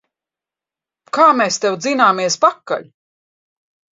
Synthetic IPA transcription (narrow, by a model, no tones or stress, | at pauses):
kaːmeːst̪ewd̪zinaːmiɛspakːa̰ʎ